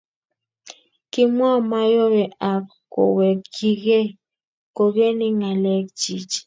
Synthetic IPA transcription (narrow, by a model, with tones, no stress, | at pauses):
kɪ˦mwa˦ma˦jo˦wɛ˨a˨kː | o̰˨wɛ˨kki˦ɡe˦ | ko˨ɡe˦ni˦ŋa˨lɛ˦k̚t͡ʃi˨t͡ʃ